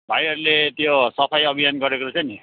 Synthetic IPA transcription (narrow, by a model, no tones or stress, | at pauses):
bʱajɦʌɾulet̪josʌpʰajʌbʱijanɡʌɾekoɾut͡sʰʌni